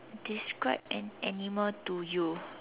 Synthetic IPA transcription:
diskɹaɪp̚ɛ̃nɛnimətuju

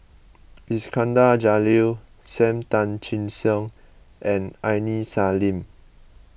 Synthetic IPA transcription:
hiskãndad͡ʒali | sɛ̃mtãnt͡ʃĩnsə̃ŋ | ʔɛ̃nãjnisalĩm

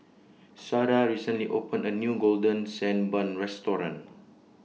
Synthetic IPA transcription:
saɾaɹisə̃nliʔopə̃nənjuɡoldə̃nsɛ̃nbãnɹɛstɔɹã̰n

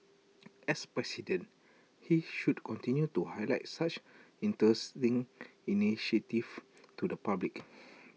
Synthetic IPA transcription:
ɛspɹɛsidə̃n | hiʃudkʰɔ̃ntĩnjutuhajlaɪt̚sat͡ʃĩntɹɛstĩŋiniʃətif | tudəpablik

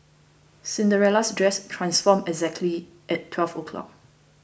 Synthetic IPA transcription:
sĩndəɹɛlasdɹɛstʰɹãnsfɔmɛɡzɛk̚tʰli | ʔɛtʰːwɛlfokʰlɔ̰k̚

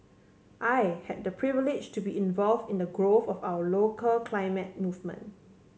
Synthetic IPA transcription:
ʔajhɛt̚dəpʰɹivɪlɪd͡ʒtubiĩnvɔlvdɪ̃ndəɡɹoθɔfawəlokəlkʰlaɪmɛt̚muvmə̰̃n

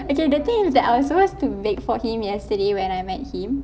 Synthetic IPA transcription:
okedət̪ãmsdɛta̰jwɔsopostubekfɔhĩmjɛstədewɛ̃najmɛt̚hĩm

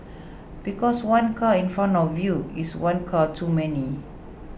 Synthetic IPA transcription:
b̥ikɔswãnkʰaĩnfɹãnɔvjuiswãnkʰatʰumɛni

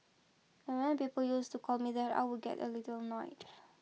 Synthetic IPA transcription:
ɛ̃nwɛ̃npipəljustukʰɔlmiðɛta̰ɪwuɡɛ̰tə̰litəlnɔɪd

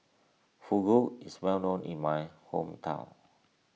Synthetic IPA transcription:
fuɡoiswɛlnõnḭ̃nmajhõ̰mtʰã̰w̃n

